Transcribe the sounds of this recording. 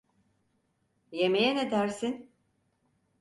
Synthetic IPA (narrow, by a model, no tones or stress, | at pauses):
jemejɛned̪æɾsin